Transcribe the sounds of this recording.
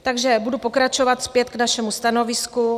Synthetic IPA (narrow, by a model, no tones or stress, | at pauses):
t̪aɡʒɛbudupo̞kɾat͡ʃo̞vat̪spjɛt̪knaʃɛmust̪ano̞vɪsku